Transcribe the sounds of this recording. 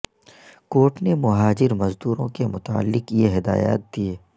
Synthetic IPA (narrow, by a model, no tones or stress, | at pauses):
koːʈnemʊɦaːd͡ʒɪɾmɐzd̪uːɾõkemʊt̪a̰ːlːɪqjeɦɪd̪a̰ːja̰ːt̪̚d̪ieː